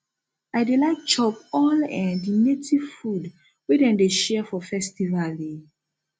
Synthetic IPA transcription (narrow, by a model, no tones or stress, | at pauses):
aɪdelaɪk̚t͡ʃɔpɔlɛ̃ndinetʰivfud | wedɛ̃ndeʃɛfɔfɛstivale